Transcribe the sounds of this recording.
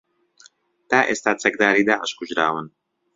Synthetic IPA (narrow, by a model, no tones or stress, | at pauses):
t̪aːʔeːst̪aːt͡sɐk̚d̪aːɾiːd̪aːʔəʃkʰʊʒɾa̰ːwɨn